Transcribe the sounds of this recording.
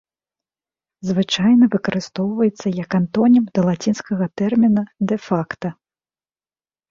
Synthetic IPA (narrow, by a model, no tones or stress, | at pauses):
zvɨt͡ʂajnɐvɨkɐɾɨst̪ɔwvɐjɛt̪sːɐjɐkant̪ɔnʲimd̪ɐlˠat͡sʲinskɐɣɐt̪ɛrmʲinɐd̪ɛfakt̪ɐ